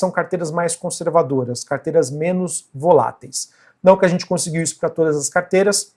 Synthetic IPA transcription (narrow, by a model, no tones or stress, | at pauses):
sɐ̃w̃kaɾt̪ejɾɐzmajskõseɾvad̪oɾɐskaɾt̪ejɾɐzmẽnʊzvola̰t̪ejs | nɐ̃w̃kɪaʒẽnt͡ʃɪkõsɪɡiwisʊ̥pɾɐt̪od̪ɐzɐskaɾt̪ejɾɐs